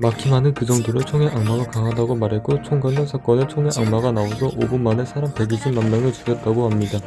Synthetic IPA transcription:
makʰimanɯnkɯd͡ʑʌŋdiɾot͡ɕʰoŋe̞ʔaŋmaɡakaŋɦadaɡomaɾɦe̞t̚k͈ot͡ɕʰoŋɡaɲʌnsʰak͈ʌnɯɭt͡ɕʰoŋe̞ʔaŋmaɡanaosʰʌʔobunmane̞sʰaɾampe̞ɡid͡ʑʰinmanmjaŋɯɭt͡ɕiɡjʌt̚t͈aɡohamɲida

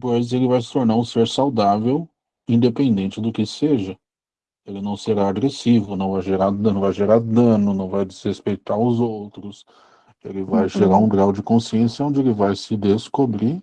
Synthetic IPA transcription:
pojzelɪvajsɪ̥t̪oɾnaɾũseɾsawd̪avew | ĩnd̪epẽnd̪ẽnt͡ʃɪd̪ʊkɪseʒɐ | elɪnɐ̃w̃seɾaːɡɾesivʊnɐ̃w̃vajʒeɾad̪nɐ̃w̃vajʒeɾaɾd̪ɐ̃nʊnɐ̃w̃vajd͡ʒɪz̥hespejt̪aɾʊzowt̪ɾʊs | elɪvajʒeɾaɾũɡɾawd͡ʒɪkõsiẽsjɐõnd͡ʒɪelɪvajsɪd̪eskobɾi

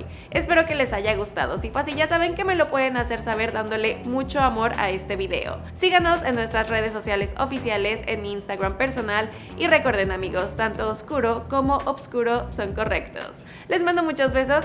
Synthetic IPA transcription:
e̞spe̞ɾo̞ke̞le̞saʝaɣ̞ust̪a̰ð̞o̞sifasiʝasaβ̞e̞ŋke̞me̞lo̞pwe̞ðe̞nase̞ɾsaβ̞e̞ɾðand̪o̞le̞mut͡ʃo̞amo̞ɾa̰e̞st̪e̞βiðe̞̰o̰ | siɣano̞se̞nːwe̞st̪ɾasre̞ð̞es̬ːo̞sjale̞so̞̰fisjale̞sḛnmiːnst̪aɣɾampe̞ɾso̞nal | ire̞ko̞ɾðenamiɣo̞st̪ant̪o̞ːskuɾo̞ko̞mo̞ʔoβskuɾo̞so̞ŋko̞re̞kt̪o̞̰s | le̞zmãnd̪o̞mut͡ʃo̞zβe̞s̬o̞s

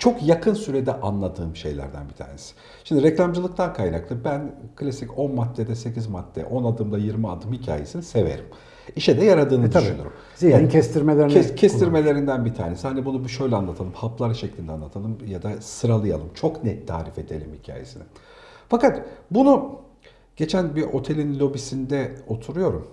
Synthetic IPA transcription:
t͡ʃʰo̞kjakʰɯnsyɾed̪ɛʔanlˠad̪ɯːmʃe̞̰jlʲæ̰ɾd̪æ̰nbit̪ʰa̰ːnesɪ̥ | ʃimd̪iɾɛclʲamd͡ʒɯlˠɯk̚t̪ʰankʰajna̰klˠɯbænkʰlʲasico̞nmat̪ʰːed̪ɛse̞cʰizmat̪ʰːɛ̰ʔo̞nad̪ɯmd̪ajiɾmia̰d̪ɯmhicʰa̰ːjesinise̞vḛɾim | iʃɛd̪ɛjaɾad̪ɯːnɯd̪yʃyny̰ɾum | iiɛst̪ʰiɾmelʲeɾincʰesʰiɾme̞lʲe̞ɾind̪ænbit̪ʰa̰ːne̞sihanibunubʃø̞jlʲɛanlˠat̪ʰalˠɯmhaplˠaɾɯʃɛclʲind̪ɛanlˠat̪ʰalˠɯmjad̪asɯɾalˠɯja̰lˠɯmt͡ʃʰo̞knɛt̪ʰːa̰ːɾife̞d̪e̞lʲimhicʰa̰ːjḛsinɪ | fakat̪bunu | ɟ̥e̞t͡ʃʰænbiɾʔo̞t̪ʰe̞lʲinlʲo̞bisind̪ɛo̞t̪ʰuɾujo̞ɾum

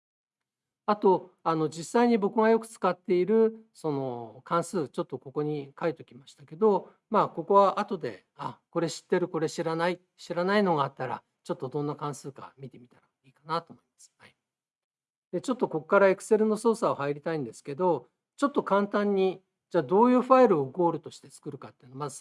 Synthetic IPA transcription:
at̪o̞ano̞d͡ʑisːaiɲ̟ibo̞kɯ̟ɡajo̞kɯ̟̥t͡sɨ̥kat̪ːe̞iɾɯ̟so̞no̞kʰãɰ̃sɨːt͡ɕo̞t̪ːo̞ko̞ko̞ɲ̟ikait̪okʲimaɕi̥t̪ake̞d̪o̞ | maːko̞ko̞βaʔat̪o̞d̪e̞̰ | ako̞ɾe̞ɕi̥t̪ːe̞ɾɯ̟ko̞ɾe̞ɕiɾanai | ɕiɾanaino̞ɡaːt̪ːaɾa̰ | t͡ɕo̞t̪ːo̞d̪õ̞nːakãɰ̃sɨːka̰mʲit̪e̞mʲit̪aɾa | iːkanat̪o̞ːmoimasɨ̥hai | d̪e̞t͡ɕo̞t̪ːo̞ko̞kkːaɾaekɯ̟̥se̞ɾɯ̟no̞so̞ːsaohaiɾʲit̪aĩnd̪e̞sɨ̥ke̞d̪o̞ | t͡ɕo̞t̪ːo̞kãnt̪ãɲ̟ːi | d͡ʑaːd̪o̞ːjɯ̟ːɸaiɾɯ̟oːɡo̞ːɾɯ̟t̪o̞ɕi̥t̪e̞t͡sɨ̥kɯ̟ɾɯ̟kat̪ːeiɯ̟nomazɨ̥

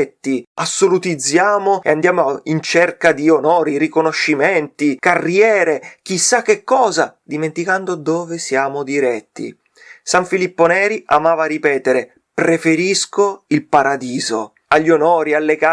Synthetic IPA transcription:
ɛt̪ːiasːolut̪id̪zːjaːmoḛand̪jaːmoint͡ʃerkad̪ionoːɾiɾikonoʃːimɛnt̪ikarːjɛːɾek̟isːak̟ːekːɔːzad̪iment̪ikand̪od̪oːvesjaːmod̪iɾɛt̪ːḭ | saɱfilipːonɛːɾiamaːvaripɛːt̪eɾe | pɾefeɾiskoilpaɾad̪iːzo̰ | aʎːonoːɾialːeka

